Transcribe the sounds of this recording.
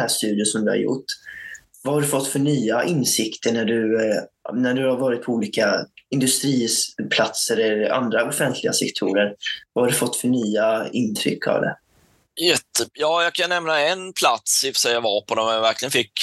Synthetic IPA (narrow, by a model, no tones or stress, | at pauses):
æːʂt̪ʉ̟ːd̪jʊsɔmd̪ɵha̰ɾjʊ̰ʈː | vahaɖɵfɔt̪ːfœɳyːaʔɪnsɪkt̪ʰəɳæɖɵ | næɖɵhaɾvɑːɾɪt̪̚pʰɔuːliːkaɪnd̪ɵst̪ɾiːpʰlat̪səɾɛa̰nd̪ɾaɔfɛnt̪ʰlɪɡasɛkt̪ʰuːɾəɾvahaɖɵfɔt̪ːfœɳyːaɪnt̪ʰɾʏ̰kʰːa̰vd̪ɛ̰ | jɛt̪ːəjɑːjɑkʰanːɛmnaɛnpʰlat̪sɪfsɛavaɾpʰɔd̪ɔmɛjavæɾklɪɡənfɪkː